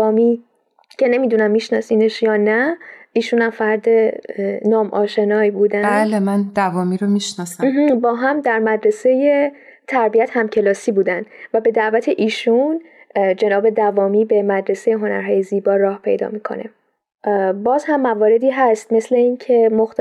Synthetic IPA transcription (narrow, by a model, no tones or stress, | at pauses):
ɒːmiː | cʰe̞ne̞miːd̪unæmːiʃnɒːsiːneʃjɒːnæiːʃunæmfæɾd̪enɒːmʔɒ̰ːʃe̞nɒːjbuːd̪ælemænd̪ævɒːmiɾomiʃnɒːsæm̩ːɦ̩bɒːɦæmd̪æɾmæd̪ɾe̞se̞je̞ | t̪ʰæɾbiæt̪hæmcʰe̞lɒːsiːbuːd̪ænd̪̥væbe̞d̪æʔvæt̪ʰe̞ʔiːʃun | d͡ʒe̞nɒːbe̞d̪ævɒːmiːbe̞mæd̪ɾe̞sejeɦo̞næ̰ɾɦɒːjeziːbɒːɾɒːhpʰe̞̰jd̪ɒ̰ːmiːkʰo̞̰nḛ | bɒːzhæmːævɒːɾe̞d̪iːɦæst̪̚me̞sle̞iːncʰe̞moxt̪